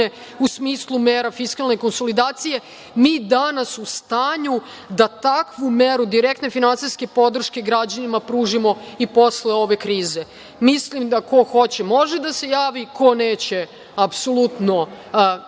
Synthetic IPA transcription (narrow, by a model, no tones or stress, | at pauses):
eusmiːslˠumeːɾafiskalˠne̞ko̞nso̞lid̪aːt̪sije̞ | miːd̪anasust̪aːɲu | d̪at̪akʋumeɾud̪iɾek̚t̪ne̞finansijske̞po̞d̪r̩ʃke̞ɡɾad͡ʑanimapɾuːʒimo̞ipo̞sleo̞ʋe̞kɾiːze̞ | mislimd̪ako̞xo̞t͡ɕe̞mo̞ʒed̪asejaːʋikʰo̞neːt͡ɕe̞ | apsolˠut̪no